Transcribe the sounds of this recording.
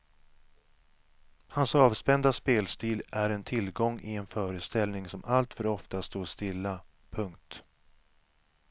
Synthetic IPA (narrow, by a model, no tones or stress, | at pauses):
hansɑːvspɛnd̪aspeːlst̪iːlæɾɛnt̪ʰɪlɡɔŋːɪɛnfœːɾəst̪ɛlnɪŋsɔmʔalt̪fœɾɔft̪ast̪oːʂt̪ɪlːa | pʰɵŋk̚t̪